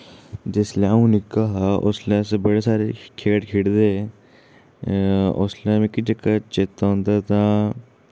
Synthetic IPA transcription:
d͡ʒɪslaũnɪkaɦaʔʊ̰slasbəɽesaːɾekʰeːʈkʰɪɽd̪e | ʊslmẽkid͡ʒəkːat͡ʃet̪ːaɦõːnd̪at̪ãː

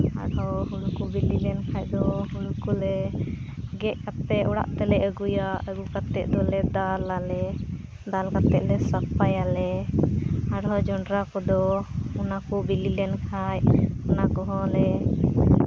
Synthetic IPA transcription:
a̰ɽɦɔɦulkubililɛnkʰajd̪ɔɦulkulɛ | ɡɛʔkat̪ːɛʔɔɽa̰ʔt̪ɛlɛəɡujaəɡukat̪ːɛʔd̪ɔlɛd̪alalɛ | d̪alkat̪ɛʔ̚lɛsakpajalɛ | aɽɦɔd͡ʒɔɳɖɾakɔd̪ɔunakɔbililɛnkʰajunakɔɦɔ̃lɛ

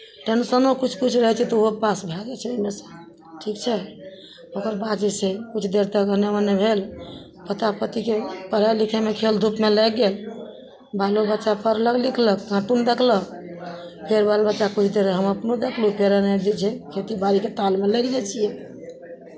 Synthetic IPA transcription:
ʈənsənokut͡ʃʰkut͡ʃʰɾəɦɛt͡ʃʰɛt̪ɔopasbʱɛd͡ʒɛt͡ʃʰɛomesə | ʈʰikt͡ʃʰɛ | okəɾbad͡ʒesɛkut͡ʃʰd̪eɾt̪əkɦənemənːɛbʱel | pət̪apət̪ikepəɾ̤alikʰemekʰeld̪ʱupmelɛɡel | balobətːʃapəɾləɡlikʰləkːãʈund̪ekʰlək | pʰeɾbalbətːʃakut͡ʃʰd̪eɾɦəməpnod̪ekʰlupʰeɾənɛd͡ʒɛt͡ʃʰɛkʰet̪ibaɾiket̪almeləɡd͡ʒɛt͡ʃʰijɛ

